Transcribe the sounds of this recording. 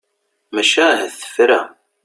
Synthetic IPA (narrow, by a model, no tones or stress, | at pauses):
mæʃæɦæθə̥fɾæ